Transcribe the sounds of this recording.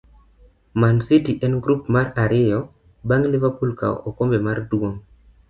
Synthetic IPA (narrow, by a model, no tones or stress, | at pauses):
mansitiʔɛnɡɾupmaɾaɾɪjɔ | baŋlɪvapulka̰ɔkombɛmarduoŋ